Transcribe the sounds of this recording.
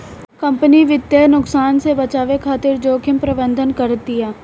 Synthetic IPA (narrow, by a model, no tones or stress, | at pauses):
kəmpəniʋɪt̪ːjeːnʊksaːnsebət͡ʃaːʋekʰaːt̪ɪɾd͡ʒoːkʰɪmpɾəbənd̪ʱənkəɾt̪iɛː